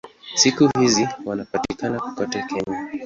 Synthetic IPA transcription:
sikuhiziwanapatikanaku̥katakɛɲa

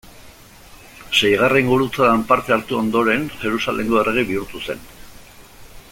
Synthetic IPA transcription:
se̞jɣ̞areiŋɡuɾut͡saðampaɾt̪e̞aɾt̪uo̞nd̪o̞ɾe̞nʝe̞ɾusalʔe̞ŋɡoe̞re̞ɣ̞iβiuɾt̪use̞̰n

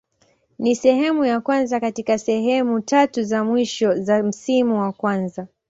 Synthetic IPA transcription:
nisɛɦɛmujakwanzakatikasɛɦɛmutatuzamwiʃɔzam̩simuwakwanza

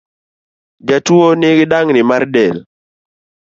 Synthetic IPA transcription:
d͡ʒatwonɪɡɪdaŋnɪmardɛl

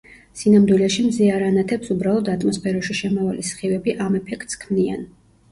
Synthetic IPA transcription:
sinamd̪wilɛʃimziaɾanat̪ʰɛpsubɾalˠɔd̪at̪ʼmɔspʰɛɾɔʃiʃɛmɔvalisχivɛbiʔamɛpʰɛkʰt̪skʰmnia̰n

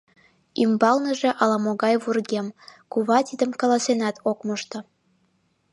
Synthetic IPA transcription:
imbɑlnəʒeʔɑlɑmoɣɑjβurɣemkuβɑt̪id̪əmkɑlɑsenɑt̪ʰokməʃt̪ŏ

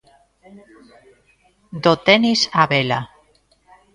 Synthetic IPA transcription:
d̪ot̪enisaβela

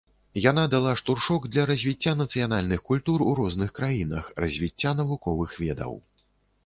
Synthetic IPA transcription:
jan̪ad̪alˠaʂt̪urʂɔɡd̪lʲɐɾɐzʲvʲit͡sʲːanɐt̪sɨjanalʲnɨxkulʲt̪uruɾɔznɨxkɾajinɐ̰xrɐzʲvʲit͡sʲːan̪ɐvukɔvɨxvʲɛd̪ɐ̰w

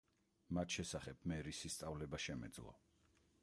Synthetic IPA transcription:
mat̪ʃɛsaχɛb̥̚mɛɾisist̪sʼavlɛbaʃɛmɛ̰d̪zlˠɔ̰

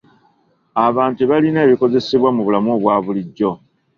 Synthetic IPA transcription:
aβaːntueβalineːβiko̞ze̞seβwamuβulamoβwaːβuliɟːo̞

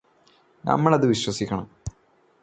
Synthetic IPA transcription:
nɐ̰mːɐɭɐðɨʋiɕwɐsikʲːɐɳɐm

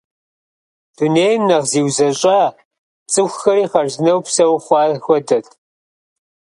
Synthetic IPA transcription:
d̥uneːjmnɐʁziːwzɐɕʼaː | t͡sʼɨxʷxɐɾiːχɐrznɐwpsɐwχʷɑːxʷɔdɐtʰ

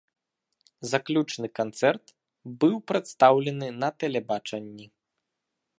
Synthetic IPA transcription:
zaklʲut͡ʂnɨkant̪sɛrt̪ | bɨwpɾɛt̪st̪awlʲɛnɨnɐt̪ɛlʲɛbat͡ʂɐnʲːi

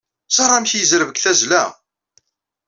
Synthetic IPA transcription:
sɑɾˤɑmçjəzɾəvəɡθæzlæ̰

